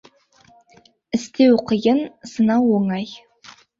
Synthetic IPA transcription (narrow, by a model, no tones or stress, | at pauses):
ɨst̪ʰewqəjɪnsɨnawoŋɑj